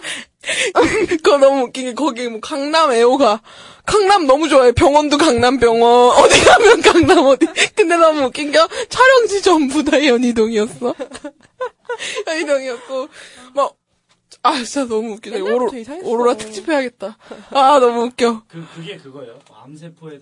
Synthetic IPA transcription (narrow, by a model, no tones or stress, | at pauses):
kʌnʌmuːk͈iŋɡekʌɡiemwʌkaŋname̞oɡa | kaŋnamnʌmud͡ʑoajopjʌŋwʌndokaŋnampjʌŋwʌnʌdinamjʌnkaŋnamʌdikɯndenʌmuɯk͈ːiŋɡʌt͡ɕʰaɾjʌŋd͡ʑid͡ʑʌmbudaejʌɲidoŋiʌs͈ʌ | jʌɲidoŋiʌs͈ʌ | maɡ | at͡ɕanʌmuuk͈ed͡ʑaoɾooɾoɾatʰɯ̥k̚t͡ɕ͈ipʰe̞ɦaɡe̞t̚t͈aanʌmuuk͈jʌ